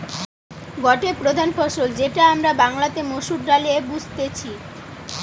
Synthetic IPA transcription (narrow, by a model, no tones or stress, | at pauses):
ɡɔʈepɾod̪ʱanfɔʃold͡ʑeʈaamɾabaŋlat̪emoʃuʈːalebud͡ʑʱt̪et͡ɕʰi